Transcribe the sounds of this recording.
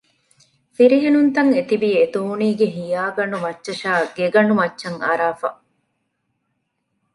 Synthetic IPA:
fiɾiɦenunt̪ɐŋet̪ibiːet̪uːniːɡeɦijaːɡɐɳumɐt͡ʃːʃɐʃaːɡeɡɐɳɖumɐt͡ʃːɐŋɐ̰ɾaːfɐ̰

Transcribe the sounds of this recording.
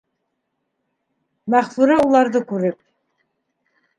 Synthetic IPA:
mæχfuɾɑulˠɑɾd̪ɤkʉɾɘp̚

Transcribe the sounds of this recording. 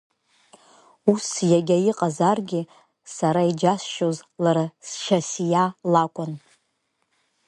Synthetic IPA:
usjaɡʲajiqʼazarɡʲɪ | saɾaid͡ʒasʃozlaɾasʃasijalakʷʼʊn

